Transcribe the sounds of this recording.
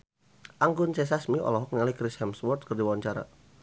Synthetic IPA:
ʔaŋɡʊnt͡ʃɛs̬asmiʔɔ̰lɔɦɔk̚nalikɾɪshɛmswɔrt̪̚kərdiwawaɲt͡ʃaɾa̰

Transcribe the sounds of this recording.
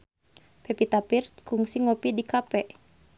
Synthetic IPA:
pɛpit̪apirst̪̚kuŋsiŋopidikapɛʔ

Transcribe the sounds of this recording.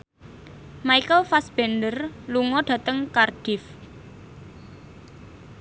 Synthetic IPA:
maikəlfasb̥ɛnɖərluŋɔɖ̥ä̤t̪əŋkarɖ̥ɪf

